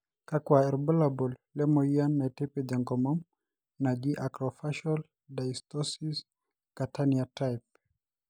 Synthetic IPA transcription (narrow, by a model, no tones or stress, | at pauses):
kakwaɛɾbɔlabɔllɛmɔianːatɛpɛdaŋɡɔmɔm | nad͡ʒiʔakɾɔfaʃɔl | dajstɔsis | kat̪ʰaniatajp̚